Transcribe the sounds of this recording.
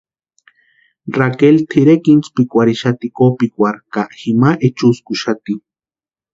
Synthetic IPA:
rakelt̪ʰiɾekint͡spikʷaɾiʃat̪ikopikʷaɾkaʔximaʔet͡ʃuskuʃat̪i

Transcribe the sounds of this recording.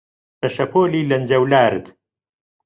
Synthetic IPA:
tɐʃɐpʰoːliːlɐnd͡ʒɐwlaːɾd̪

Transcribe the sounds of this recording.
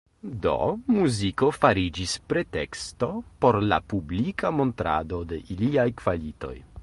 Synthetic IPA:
do̞̰muziko̞faɾid͡ʒispɾe̞te̞ksto̞po̞ɾla̰publikamo̞ntɾa̰do̞de̞ʔiliajkv̥alito̞̰j

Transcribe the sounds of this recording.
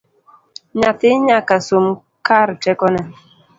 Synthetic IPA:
ɲatiɲakasom | kaɾtɛkɔna

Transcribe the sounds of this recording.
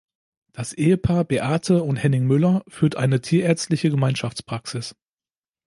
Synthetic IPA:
d̥asʔeːəpʰaːɐbeʔaːtʰəʊnthɛnɪŋmʏlɐfyːɐtʔa̰ɪnətʰiːɐʔɛɐt͡stlɪçəɡəmaɪnʃaft͡spʁ̥aksɪs

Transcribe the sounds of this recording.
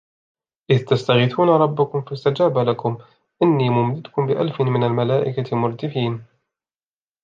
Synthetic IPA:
ʔɪðt̪ast̪aɣɪθuːnaɾˤɑbːʊkʊmfast̪ad͡ʒaːbalakʊm | ʔɪnːiːmʊmd̪ɪd̪kʊmbɪʔa̰lfɪmɪnalmalaːʔɪkamʊɾˤt̪ɪfiːn

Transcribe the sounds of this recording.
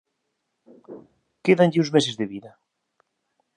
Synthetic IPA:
keðanʎɪũzmesezðɪβiðɐ

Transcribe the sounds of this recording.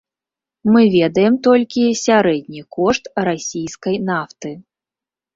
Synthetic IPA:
mɨvʲɛd̪ɐjɛmt̪ɔlʲkʲisʲaɾɛd̪ʲnʲikɔʂt̪ɾasʲijskɐjnaft̪ɨ

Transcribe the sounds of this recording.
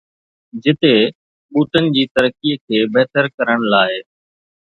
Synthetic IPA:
d͡ʑɪt̪e | ɓuːt̪ənɪ̆d͡ʑiːt̪əɾəkːiːkʰeːbeɦt̪əɾkəɾəɽ̃laːɪ

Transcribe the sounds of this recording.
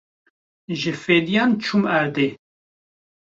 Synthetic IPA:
ʒɨfeːd̪ijɑːnt͡ʃʰumæɾd̪e

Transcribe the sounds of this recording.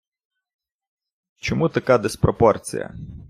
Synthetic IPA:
t͡ʃɔmut̪ɐkad̪ɪspɾɔpɔrt͡sʲḭjɐ̰

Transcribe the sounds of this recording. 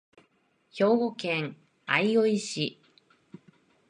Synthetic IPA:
ço̞ːɡo̞kẽŋ | a̰io̞iɕi

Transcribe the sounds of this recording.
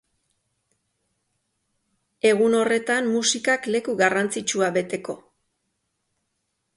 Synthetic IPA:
e̞ɣuno̞re̞t̪ammusikakle̞kuɣarant͡sit͡ʃuaβe̞t̪e̞ko̞

